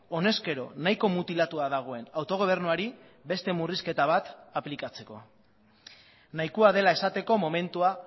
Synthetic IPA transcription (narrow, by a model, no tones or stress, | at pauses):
o̞ne̞ske̞ɾo̞̰naiko̞mut̪ilat̪uaðaɣ̞o̞e̞nawt̪o̞ɣ̞o̞β̞e̞ɾnuaɾi | be̞st̪e̞muriske̞t̪aβ̞at̪aplikat͡se̞ko̞ | najkuaðe̞lae̞sat̪e̞ko̞mo̞me̞nt̪ua